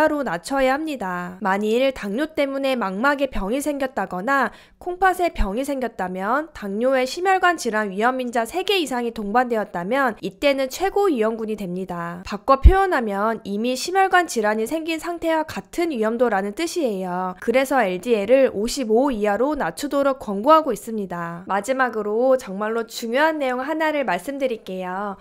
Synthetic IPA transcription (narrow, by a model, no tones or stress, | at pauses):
aɾonat͡ɕʰʌjaɦamɲidamaɲiɾɭtaŋɲot͈e̞mune̞maŋmaɡe̞pjʌŋisʰe̞ŋɡjʌt̚t͈aɡʌna | kʰoŋpʰasʰe̞pjʌŋisʰe̞ŋɡjʌt̚t͈amjʌntaŋɲoe̞ɕʰimjʌɭɡwant͡ɕiɾanɥiʌmind͡ʑasʰe̞ɡe̞isʰaŋitoŋbandwe̞ʌt̚t͈amjʌnit͈e̞nɯnt͡ɕʰwe̞ɡoɥijʌŋɡuɲidwe̞mɲidapak͈̚ʌpʰjoʌnɦamjʌnimiɕʰimjʌɭɡwant͡ɕiɾaɲisʰe̞ŋɡinsʰaŋtʰe̞wakatʰɯnɥijʌmdoɾanɯnt͈ɯɕʰie̞jokɯɾe̞sʰʌe̞ɭdie̞ɾɯɾoɕʰiboiaɾonat͡ɕʰudoɾokk͈wʌŋɡuɦaɡois͈ɯmɲidamad͡ʑimaɡɯɾot͡ɕʌŋmaɭːot͡ɕuŋjoɦanːe̞joŋɦanaɾɯɭmaɭs͈ɯmdɯɾik͈e̞jo